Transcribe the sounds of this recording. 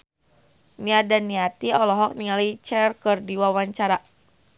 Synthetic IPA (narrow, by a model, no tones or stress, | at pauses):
niadanːiat̪iɔlɔɦɔk̚niŋalit͡ʃɛrkɨrdiwawaɲt͡ʃaɾa